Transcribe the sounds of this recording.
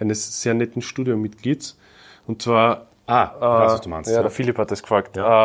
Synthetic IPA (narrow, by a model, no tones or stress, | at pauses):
ʔæɪnəsːeːɐnɛtn̩ʃtuːdjomːɪtkliːts | ʊntt͡sv̥aːɐ | ʔaːsd̥umanstjaɐfiliphat̚ɛskfʁaːktː